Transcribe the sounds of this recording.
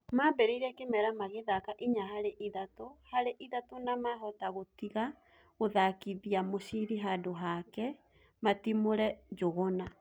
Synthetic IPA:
mabɛɾeiɾɛkemɛɾamaɣeðakaʔiɲaɦaɾeʔiðatohaɾeʔiðatonamaɦɔtaɣotiɣa | ɣoðakiðiamoɕiɾiɦadoɦakɛ | matimoɾɛd͡ʒoɣɔna

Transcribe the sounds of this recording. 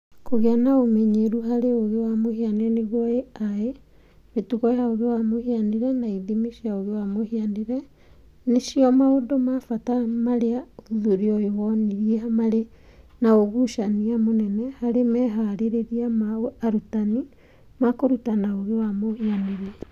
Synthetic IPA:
koɣeanaomɛɲeɾuhaɾeoɣewamohianiɾɛneɣwɔeae | metuɣɔjaoɣewamohianiɾɛnaiðimiʃiaoɣewamohianiɾɛ | neʃiɔmaodomafatamaɾeauðuɾiɔjewɔniɾiamaɾe | naoɣuʃaniamonɛnɛhaɾemɛɦaɾeɾeɾiamaoaɾutani | makoɾutanaoɣewamohianiɾɛ

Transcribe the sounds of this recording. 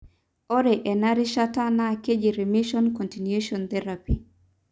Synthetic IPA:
ɔɾɛʔɛnaɾiʃatanaked͡ʒiɾimiʃɔnkɔ̃ntinjeʃɔnt̪ɛɾapi

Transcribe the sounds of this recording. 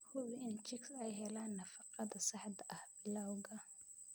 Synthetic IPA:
hʊβɪɪnt͡ʃɪksɛjɦɛlaːnːɐfɑqɑðɐsɑħd̪ɐʔɐhbɪlawɣɐ

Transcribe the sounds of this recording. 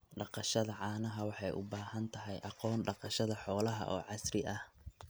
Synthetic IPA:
ɖɑqɑʃɐðɐʕɑːnɐɦɐwɑħɑjʔʊbaːhɐnt̪ʰɐɦɛjʔɑqɔːnɖɑqɑʃɐðɐħɔːlɐɦɐ̰ʔɔːʕɑsrɪʔɐh

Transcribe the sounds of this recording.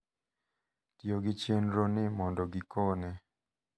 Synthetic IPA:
tjoɡɪt͡ʃenɾonɪmɔndɔɡɪkʰonɛ

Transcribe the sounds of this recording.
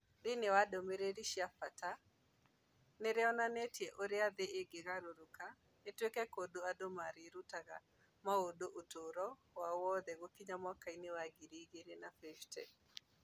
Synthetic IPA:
dɪnewadomeɾeɾiʃjapata | neɾeɔnanetjɛʔoɾeaðeʔeɡeɣaɾoɾoka | netwekɛkodoadomaɾeɾutaɣa | maodoʔotoɾɔ | wawɔðɛɣokiɲamɔkainewaɡiɾiɣeɾenafɛʃtɛ̰

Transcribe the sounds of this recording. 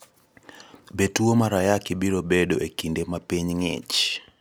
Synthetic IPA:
bɛtuɔmaɾajakɛɓilɔɓɛɗɔʔekindɛmapɛɲŋɛ̰t͡ʃ

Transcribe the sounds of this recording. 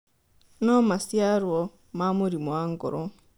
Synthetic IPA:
nɔmasjaɾwɔ | mamuɾimwaŋɡo̰ɾo

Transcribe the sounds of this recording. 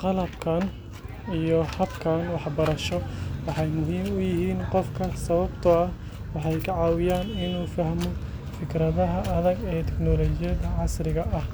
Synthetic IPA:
qɑlɐbkʰɐn | ijɔhɐbkʰɐnwɑħbɐɾɐʃɔwɑħɑjmʊɦiːmʊjɪɦiːnqɔfkʰɐsɐβɐbt̪ʰɐɐh | wɑħɑjkʰɐʕɑːwɪjaːnɪnuːfɐhmɔ | fɪkʰɾɐðɐɦɐʔɐðɐɡɛːt̪ʰɛknɔlɔːt͡ʃɪjɐðɐʕɑsrɪɣɐʔɐh

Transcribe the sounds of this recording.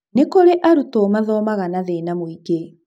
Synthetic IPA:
nekoɾeʔaɾutomaðɔmaɣanaðeːnamwiɡe

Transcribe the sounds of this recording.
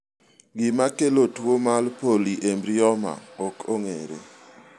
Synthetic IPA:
ɡɪmakelotwomalpoliʔembɾɪɔma̰okoŋeɾḛ

